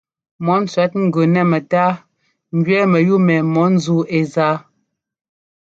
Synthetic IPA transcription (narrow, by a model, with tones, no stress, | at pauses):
mɔ˨˦n̩˦t͡sa˨˦t̚ŋ̩˦ɡə˨nɛ˦˨mɛ˨taː˦ | ŋ̩˨ɡɥɛ˦mə˨ju˦mɛ˨mɔ˨˦n̩˦zu˦e˨zaː˦